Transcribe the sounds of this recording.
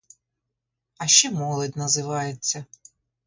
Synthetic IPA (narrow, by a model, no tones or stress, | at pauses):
ɐʃt͡ʃɛmɔlˠɔdʲnɐzɪʋɑjet͡sʲːɐ